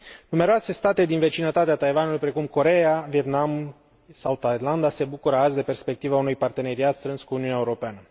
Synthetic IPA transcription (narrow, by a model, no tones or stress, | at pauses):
nume̞ɾoase̞st̪at̪e̞d̪inve̞t͡ʃinət̪at̪eat̪ajvanulujpɾe̞kumko̞ɾe̞avie̞t̪nam | sawt̪aj̪land̪ase̞bukuɾəazd̪e̞pe̞rspe̞k̚t̪ivaunujpart̪e̞ne̞ɾiat̪st̪ɾɨnskuːniunaeuɾo̞peanə